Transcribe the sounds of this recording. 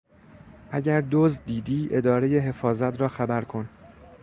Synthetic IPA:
ʔæɟæɾd̪ozd̪iːd̪iːʔe̞d̪ɒːɾe̞jeɦe̞fɒːzæt̪ʰɾɒːxæbæɾkʰo̞n

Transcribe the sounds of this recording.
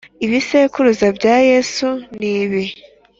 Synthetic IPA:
iβiseːkuɾuzabɟaːjesuniːβi

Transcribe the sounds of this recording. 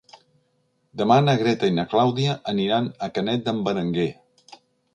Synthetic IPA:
d̪əmanəɣɾɛt̪ainəklawðiəʔːniɾanəkənɛt̪̚d̪əmbəɾəŋɡe

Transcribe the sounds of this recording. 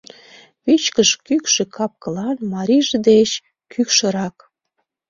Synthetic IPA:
βit͡ɕkəʃkykʃĕkɑp̚kə̆lɑnmɑɾʲiʒĕd̪et͡ɕ | kykʃə̆ɾɑk

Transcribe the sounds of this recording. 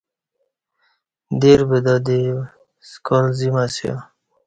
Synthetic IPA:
d̪eɾbəd̪ɔd̪e | skɔlzimasjo̰

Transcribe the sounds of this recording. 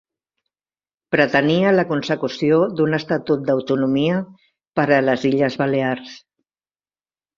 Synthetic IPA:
pɾət̪əniələkunsəkusiod̪unəst̪at̪ut̪̚d̪əwt̪unumiə | pəɾələziʎəzβəlears

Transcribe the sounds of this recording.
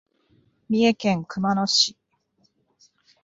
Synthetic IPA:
mʲie̞kẽ̞ŋkɯ̟manoɕi

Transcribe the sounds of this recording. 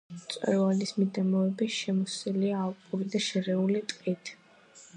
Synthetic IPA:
t̪sʼwɛ̰ɾvalismid̪amɔɛbiʃɛmɔsɛliaːlˠpʼuɾid̪aʃɛɾɛulit̪ʼqʼit̪ʰ

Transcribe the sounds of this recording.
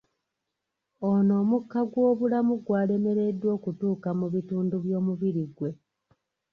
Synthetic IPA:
o̞no̞ːmukːaɡwo̞ːβulamuɡwaːle̞me̞ɾe̞dːwo̞ːkutuːkamuβituːnduβjo̞ːmuβiɾiɡwe̞

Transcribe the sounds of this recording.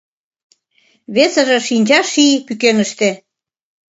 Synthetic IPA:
βesə̆ʒĕʃinʲt͡ɕɑʃipykeŋə̆ʃt̪ĕ

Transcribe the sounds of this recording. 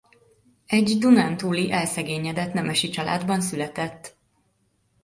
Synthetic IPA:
ɛɟd̪unɛnt̪uːliʔɛlsɛɡeːɲɛd̪ɛt̪nɛmɛʃit͡ʃɒla̰ːd̪bɒnsylɛt̪ɛt̪ː

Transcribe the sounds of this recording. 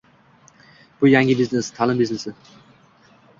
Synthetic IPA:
b̥ʊjaŋʲɪbɪznest̪ʰalɪmbiznesɪ

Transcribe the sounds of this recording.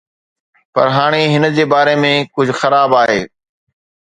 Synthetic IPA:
pɐ̰ɾɦaːɽ̃eɦɪnəd͡ʑeːbaːɾemẽkʊd͡ʑʱxɐɾaːbaːɦeː

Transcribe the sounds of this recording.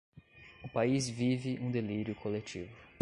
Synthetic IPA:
ʊpaizvivɪʔũd̪eliɾjʊkʰolet͡ʃivʊ

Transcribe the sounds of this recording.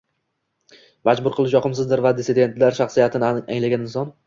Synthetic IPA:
mad͡ʒbʊɾqʰɨlˠɪʃjɒqʰɨmsɪzd̪ɪɾvad̪esɪd̪e̞nt̪laɾʃaχsijat̪ʰɪnɪa̰ŋlaɡʲanɪnsɒn

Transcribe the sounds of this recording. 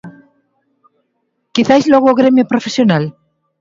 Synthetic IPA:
kiθajzloɣoɣɾemjopɾofesjonal

